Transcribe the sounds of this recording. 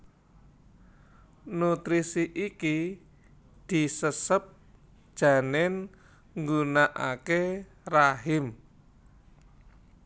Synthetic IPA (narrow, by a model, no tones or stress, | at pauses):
nut̪ɾisiʔiki | d̪̥i̤səsəp̚ | d̥ʒ̥a̤nɛn | ŋɡunaʔa̰ke | raɦɪm